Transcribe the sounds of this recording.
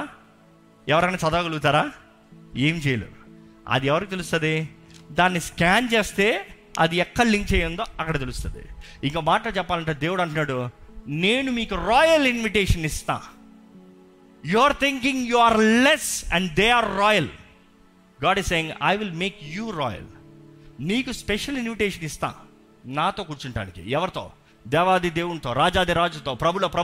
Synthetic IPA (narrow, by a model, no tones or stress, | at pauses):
ɛʋɐɾkɐnaːt͡ʃɐd̪aːɡɐluɡut̪aːɾaː | eːmt͡ʃɛjɐlṵɐ̰d̪iɛʋɐɾikiːt̪elus̬t̪und̪id̪aːnːiskaːnt͡ʃeːst̪e̞ː | ɐ̰d̪iɛkːɐɽliŋk̚t͡ʃɛːjɐnd̪oːʔɐkːɐɽet̪̬elust̪und̪ḭiŋkoːmaːʈɐoːt͡ʃɛpːaːlɐɳʈeːd̪eːʋuɽɐɳʈ̬unːaːɽune̞ːnumiːkuɾɔːjɐlinʋiʈeːʂɐnist̪a̰ː | juɐɾt̪ʰiŋkiŋjuːaːɾlɛsɛ̃ɳɖd̪eːaːɾːɔːjɐl | ɡaːɖisseːjiŋɡa̰jʋilmeːkjuːɾɔ̰ːjɐ̰l | miːkuspɛʂɐlinʋiʈeːʂɐnist̪a̰ː | naːt̪o̞ːkuːɾt͡ʃuɳʈa̰ːnikḭɛʋɐɾit̪o̞̰ː | d̪ɛːʋaːd̪id̪eːwuɳt̪o̞ːɾaːd͡ʒaːd̪iɾaːd͡ʒut̪oːpɾɐbʱuloːpɾɐ